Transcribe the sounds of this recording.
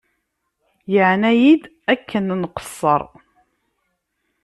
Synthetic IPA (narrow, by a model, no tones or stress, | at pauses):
jəʕnæjid̪ | ækːənnqə̥sˤːə̰ɾˤ